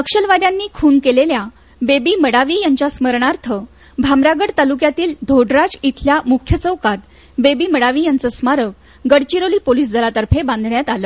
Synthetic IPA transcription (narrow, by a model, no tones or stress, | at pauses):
əkʂəlʋad̪janːiːkʰuːnkelelja | bebiːməɽaʋiːjaɲt͡ɕasməɾɳaɾt̪ʰə | bʱamɾaɡəɽt̪alukjat̪iːld̪ʱoɖɾat͡ɕit̪ʰljamukʰjət͡səwkat̪ | bebiːməɽaʋiːjant͡səsmaɾəʋ | ɡəɽt͡ɕiɾoliːpoliːs̬d͡zʱəlat̪əɾfʰebãnd̪ʱɳjat̪aləː